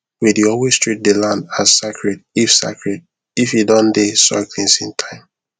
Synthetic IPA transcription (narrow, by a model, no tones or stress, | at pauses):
widiowestɹit̚delãndazsekʰɹedifsa̰kɹɛd̚ | ifidɔ̃ndesɔ̰ɪkʰlĩŋsĩntʰãɪ̃m